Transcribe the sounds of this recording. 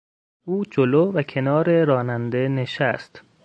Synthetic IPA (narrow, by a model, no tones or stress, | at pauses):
uːd͡ʒoloːvækʰe̞nɒːɾeɾɒːnænd̪ene̞ʃæst̪